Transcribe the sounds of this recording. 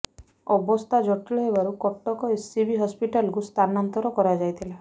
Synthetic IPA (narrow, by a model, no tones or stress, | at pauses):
ɔbɔst̪ʰad͡ʒɔʈiɭɔɦebaɾukɔʈːɔkɔesibʱiɦɔspiʈalkust̪ʰanant̪ɔɾɔkɔɾad͡ʒajt̪ʰila